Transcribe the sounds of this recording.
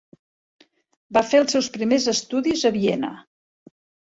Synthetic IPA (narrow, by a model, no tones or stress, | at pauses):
bafeəlˠsewspɾimezəst̪uðizəβienə̰